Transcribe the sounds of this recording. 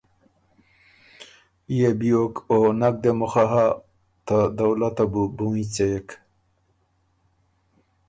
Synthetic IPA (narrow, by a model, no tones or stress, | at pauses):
ijebiokonak̚d̪emʊxaɦa | t̪ad̪awlat̪abubuĩt͡sejek